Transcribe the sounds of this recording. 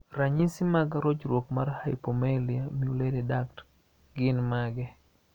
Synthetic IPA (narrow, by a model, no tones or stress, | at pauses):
raɲisimaɡaɾot͡ʃɾwokmarhaɪpomeliamiulededakt | ɡɪnmaɡɛ